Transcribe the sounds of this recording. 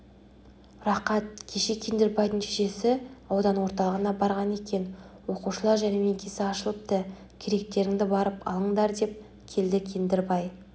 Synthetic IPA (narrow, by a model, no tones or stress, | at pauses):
rɑqɑt̪̚kʲʰe̞ʃe̞kʲʰend̪ɪɾbɑjd̪əŋt̪ʰiʒe̞sɪɑwd̪ɑnwo̞ɾt̪ɑlˠəʁənɑbɑɾʁɑne̞kʲe̞nwo̞quʃəlˠɑɾʒæne̞me̞ŋkʲʰe̞sɪɑʃəlˠəp̚t̪ə | kʲʰeɾe̞k̚t̪e̞ɾɪŋd̪ɪbɑɾəpɑ̰lˠəɴd̪ɑɾd̪e̞p̚ | kʲʰe̞ld̪ɪkʲʰe̞nd̪ɪɾbɑj